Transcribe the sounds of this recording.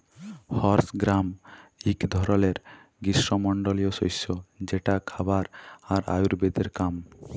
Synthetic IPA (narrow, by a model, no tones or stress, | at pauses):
hɔɾsɡɾamikd̪ʱɔɾoleɾ | ɡisɾomɔɳɖolioʃojsod͡ʑeʈakʰabaɾaɾa̰juɾbed̪eɾkam